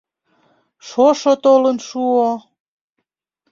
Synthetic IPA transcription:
ʃoʃot̪olənʃuo

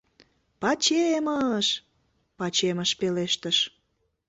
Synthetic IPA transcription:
pɑt͡ɕeməʃ | pɑt͡ɕeməʃpeleʃt̪əʃ

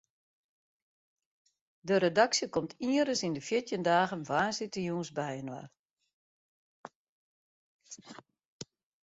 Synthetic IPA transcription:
dəɾedaksjəkɔmtʰiəɾəsindəfjɪtjəndaːɣənvaːnsitəjuːnsbɛjənwa̰r

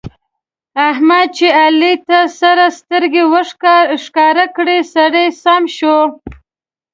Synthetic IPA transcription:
ahmad̪̚t͡ʃealit̪asaɾast̪əɾɡewəʂkɑɾakɽesaɽejsɑmʃo

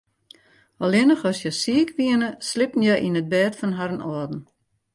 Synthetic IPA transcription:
ɔlˠɪnəxɔsjɛsiəkʋiənəslɪpən̩jɛjʔinət̚bɛːtfɔnɦaɾənɔədn̩

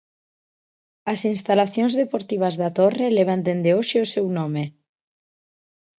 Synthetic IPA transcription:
asinst̪alaθjõnzðepoɾt̪iβ̞azðat̪oreleβ̞and̪end̪eoʃeosewnɔme

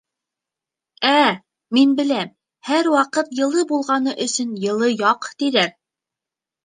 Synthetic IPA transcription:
æ | minbɘ̆læm | hæɾwɑqɤt̪jɤ̆lˠɤbulˠʁɑnɤʔɵ̆sɵnjɤ̆lˠɤjɑqt̪iðæɾ

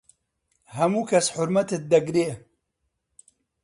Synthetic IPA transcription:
hɐmuːkʰɐsħʊɾmɐt̪ɨt̪̚d̪ɐɡɾeː

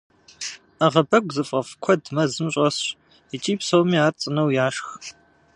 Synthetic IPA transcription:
aʁɐbɐɡʷzɨfʼɐfkʷʰɔdmɐzɨmɕʷʼɐs | ɪt͡ʃʼiːpsɐwmiːaːrt͡sʼɨnɐwjaːʂx

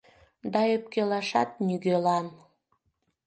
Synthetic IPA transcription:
d̪ɑøp̚kelɑʃɑ̰t̪̚nyɣølɑn

